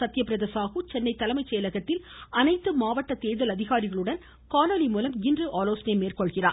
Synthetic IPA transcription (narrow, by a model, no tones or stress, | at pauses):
sɐt̪ːɪjɐpːɪɾɐðɐsaːɣɯt͡ʃɛnːɐɪt̪ːɐlɐmɐɪt͡ʃːɛjɐlɐɣɐt̪ːɪl | ɐnɐɪt̪ːɯmaːʋɐʈːɐt̪eːðɐlɐðɪɣaːɾɪɣɐɭɯɽɐn | kaːnɐlimuːlɐmɪndrɯʔaːloːsɐnɐɪmeːrkɔɭɣɪra̰ː